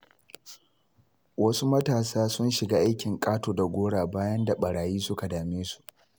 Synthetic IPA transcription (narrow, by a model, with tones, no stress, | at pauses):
wɐ˦su˦mɐ˦taː˨saː˦sʊ˦nʃɪ˨ɡaː˦ʔa˦jkʲɪ˨ŋkʼaː˦toː˨da˨ɡʷoː˦ɽaː˨baː˦jɐ˦nda˨ɓɐ˨ɽaː˨jiː˦sʊ˦ka˨daː˨meː˦su̥˨ʔ